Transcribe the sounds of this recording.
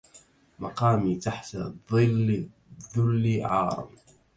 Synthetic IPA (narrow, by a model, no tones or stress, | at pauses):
mɑqɑːmiːt̪aħt̪a | ðˤʊlːiʕɑːɾˤɑ̰m